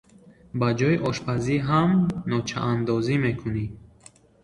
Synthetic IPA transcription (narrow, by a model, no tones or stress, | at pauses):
bad͡ʒɔiʔɔʃpʰaziɦamnɔt͡ʃʰa̰ʔand̪ɔzimekʰuni